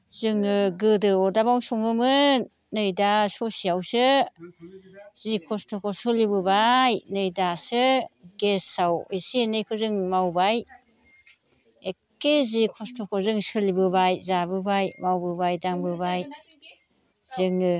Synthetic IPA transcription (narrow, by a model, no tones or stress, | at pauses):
z̥ɯŋɯɡɯdɯɔdabawsɔŋɯmɯ | nɯjdasosiawsɯ | zikʰɔstʰokʰosɯlibɯbajnɯjdasɯɡesawisinɯjkʰozɯŋmawbaj | ekːezikʰɔstʰokʰozɯŋsɯlibɯβajzabɯbajmawbɯbajdaŋbɯβaj | zɯŋɯ